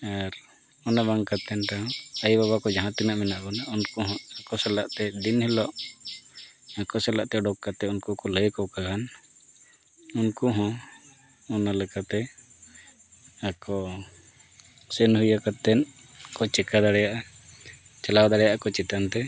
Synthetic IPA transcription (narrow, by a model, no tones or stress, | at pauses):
aɾ | ɔnabaŋkat̪ɛnʈaɦɔ̃ajbaβakɔd͡ʒaɦãt̪inaʔmɛnaʔbɔnaunkɔɦɔ̃akɔsɛlaʔt̪ɛd̪inhɛlɔʔ | akɔsɛlaʔt̪ɛɖɔkkat̪ɛunkɔkɔləjkɔwkaɡan | unkɔɦɔ̃ | ɔnalɛkat̪ɛ | akɔ | sənɦujakat̪ɛnkɔt͡ʃɛkad̪aɽɛjaʔa | t͡ʃalawd̪aɽɛjaʔakɔt͡ʃɛt̪ant̪ɛ